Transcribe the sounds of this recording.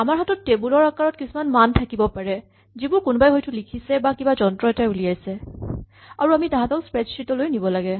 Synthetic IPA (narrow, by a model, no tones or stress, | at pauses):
amaɹɦatɔtːebulɔɹakaɹɔt̚kisumanmantʰakibɔpaɹɛ | zibʊɹkʊnbajɦojtʊlikʰisɛbakibazɔntɹɔɛtauliajsɛ | aɹuamitãɦãtaʊspɹɛd͡ʒsɹitɔlojnibɔlaɡɛ